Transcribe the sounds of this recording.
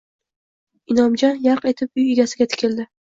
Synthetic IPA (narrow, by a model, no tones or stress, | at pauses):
ɪnɒmd͡ʒɒnjaɾqe̞t̪ʰɪp̚ʊjeɡʲasɪɡʲat̪ʰɪ̥kʲɪld̪ɪ